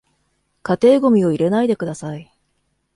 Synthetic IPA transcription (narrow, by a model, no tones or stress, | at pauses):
kat̪e̞ːɡo̞mʲio̞iɾe̞naid̪e̞kɯ̟d̪asai